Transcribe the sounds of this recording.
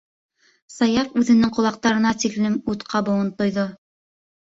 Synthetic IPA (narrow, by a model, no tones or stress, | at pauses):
sɑjɑfʉðɘ̆nɘŋqŏlˠɑq̚t̪ɑɾɤ̆nɑt̪iklɘmut̪qʰɑbɤ̆wɤnt̪ŏjðo